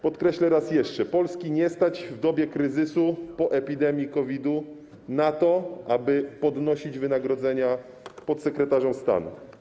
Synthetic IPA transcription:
pɔt̪kɾɛɕlɛɾasjɛʂt͡ʂɛpɔlskʲiɲɛst̪ad͡ʑvd̪ɔbʲjɛkɾɘzɘsupɔʔɛpʲid̪ɛmʲjikɔvʲid̪u | nat̪ɔʔabɘpɔd̪nɔɕid͡ʑvɘnaɡɾɔd̪zɛɲa | pɔt̪sɛkɾɛt̪aʐɔmst̪a̰nṵ

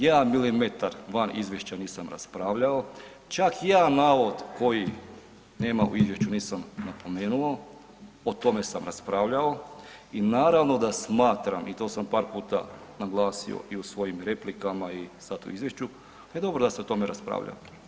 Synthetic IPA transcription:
jaːmilimet̪aɾʋanizʋjeʃt͡ɕaniːsamɾa̰spɾaːʋʎao | t͡ʃakjaːnaːʋo̞d̪ko̞ji | ne̞ːmaṵizʋje̞ʃt͡ɕuniːsamnapo̞me̞ːnuo | ot̪o̞me̞samɾaspɾaːʋʎaoinaːɾaʋno̞d̪asmaːt̪ɾamʔit̪o̞ːsampaːɾpuːt̪a̰ | naɡlˠaːsḭo̰ʔiusʋo̞jimɾe̞plikamaisat̪ṵizʋjeʃt͡ʃu | ed̪o̞bɾod̪aseot̪o̞meɾaspɾa̰ːʋʎa̰

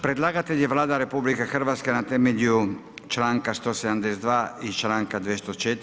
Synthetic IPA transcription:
pɾe̞d̪lˠaːɡat̪eʎjeʋlaːd̪aɾe̞publikexr̩ʋat̪skenat̪emeʎut͡ʃlaːŋkast̪osed̪amd̪esd̪ʋaːit͡ʃlaːŋkad̪ʋjest̪ot͡ʃet̪

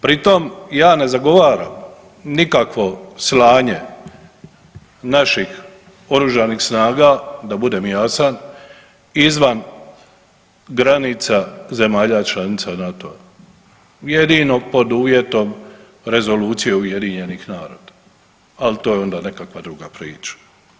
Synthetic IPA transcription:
pɾit̪o̞mjaːne̞zaɡo̞ʋaːɾam | nikakʋo̞slaːɲe̞ | naʃix | o̞ɾuʒanixsnaːɡad̪abud̪e̞ːmjaːsan | izʋan | ɡɾanit̪saze̞maːʎat͡ʃlanit̪sanat̪o̞a | je̞d̪ino̞po̞d̪uʋje̞t̪o̞m | ɾe̞zo̞luːt̪sije̞uje̞d̪iɲe̞nixnaːɾo̰ːd̪̥aː | lit̪o̞ːjeo̞nd̪aːne̞kakʋad̪ɾuɡapɾḭːt͡ʃḁ

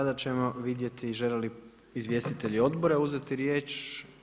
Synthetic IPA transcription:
ad̪at͡ɕe̞mo̞ʋid̪je̞t̪iːʒeleli | izʋje̞st̪it̪e̞ʎio̞d̪bo̞ɾeuzet̪iɾje̞ːt͡ʃ

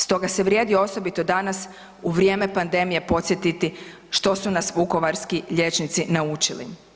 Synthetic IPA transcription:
st̪o̞ɡase̞ʋɾʲje̞ːd̪ioo̞so̞bit̪o̞d̪anas | uʋɾje̞ːme̞pand̪e̞mije̞po̞t̪sʲje̞t̪it̪i | ʃt̪o̞sunasʋuko̞ʋaɾskiʎe̞t͡ʃnit̪sinaut͡ʃilḭ

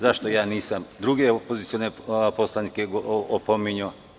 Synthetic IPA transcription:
zaʃt̪o̞jaːniːsamd̪ɾuɡeopozit̪sioneposlˠanikeɡoopomiɲo

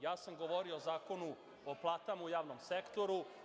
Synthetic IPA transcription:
jaːsamɡo̞ʋoɾioːzaːko̞nu | oplˠaːt̪amaujaːʋno̞msekt̪o̞ɾu

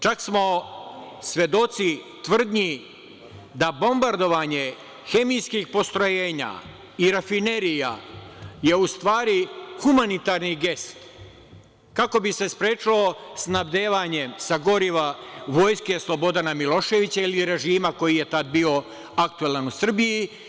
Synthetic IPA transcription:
t͡ʃaksmo̞ | sʋʲje̞d̪o̞t̪si | t̪ʋr̩d̪ɲi | d̪abo̞mbaɾd̪o̞ʋaɲe̞ | xe̞mijskixpo̞st̪ɾo̞jeːɲa̰ | iɾafine̞ɾija̰ | je̞ust̪ʋaːɾixumanit̪aɾniɡe̞st̪ | kako̞bise̞spɾe̞ːt͡ʃilo̞snabd̪e̞ːʋaɲe̞msaɡo̞ɾiʋaʋo̞ːjske̞slˠo̞bo̞d̪anamilo̞ʃe̞ʋit͡ɕailiɾe̞ʒiːmako̞jije̞t̪ad̪̚bio̞ | ak̚t̪uelanusr̩biji

